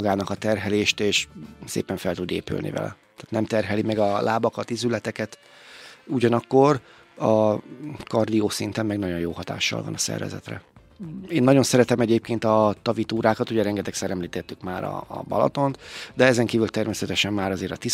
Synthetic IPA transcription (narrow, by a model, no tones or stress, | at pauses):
ɡaːnɒkɒt̪ɛrɦɛleːʃt̪eːʃsḛːpɛɱfɛlt̪ud̪ḛːpy̰lnḭvɛ̰lɛ̰t̪aːt̪nɛmt̪ɛrɦɛlimɛɡɒlʔaːbɒkɒt̪izylɛt̪ɛkɛt̪ | uɟɒnɒkːo̞r | ɒ | kɒrd̪ijoːsint̪ɛmmɛɡnɒɟo̞njoːhɒt̪a̰ːʃːɒ̰lvɒ̰nɒsɛ̰rvɛ̰zɛ̰t̪rɛ̰ | eːnːɒɟo̞nsɛɾɛt̪ɛmɛɟeːp̚keːnt̪ɒt̪ɒvit̪uːɾaːkɒt̪uɟɛɾɛŋɡɛt̪ɛksɛɾɛmliːt̪ɛt̪ːykmaːɾɒ̰ːbɒ̰lɒ̰t̪o̞nt̪d̪ɛɛzɛŋkiːvylt̪ɛrmeːsɛt̪ɛʃɛmmaːɾɒzeːɾɒt̪i